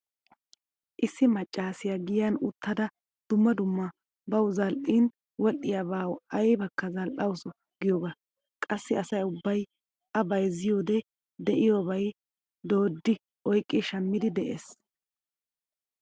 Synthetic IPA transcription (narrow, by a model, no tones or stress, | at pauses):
ʔɪsːɪmɐt͡ʃʼːaːsɪjaɡɪjɐnʊt̪ʰːɐd̪ɐ | d̪̥ʊmːɐd̪ʊmːɐ | bɐwzɐlʔin | wɔʔːɪjabaːwɐjbɐkːɐzɐlʔɐwsʊ | ɡɪjoːɡɐ | kʼɐsːɪɐsɐjʊbːɐj | ʔɐbɐjzɪjoːd̪ɛ | d̪ɛʔɪjoːbɐj | d̪o̞ːd̪ːɪ | ʔɔjkʼːɪʃɐmːɪd̪ɪd̪ɛʔḛːs